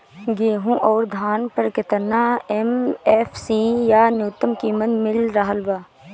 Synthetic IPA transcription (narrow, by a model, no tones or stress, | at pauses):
ɡeːɦũʔɔːɾd̪ʱaːnpɐɾkɪt̪əɾnaːemeːfʰsiːjaːnjuːt̪ːəmkiːmət̪mɪlɾaɦəlbaː